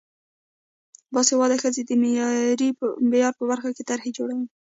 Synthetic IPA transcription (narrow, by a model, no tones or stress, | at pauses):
bɑsewɑd̪axəzed̪əmejɾimejɑɾpəbaɾxaket̪aɾhed͡ʒoɽawi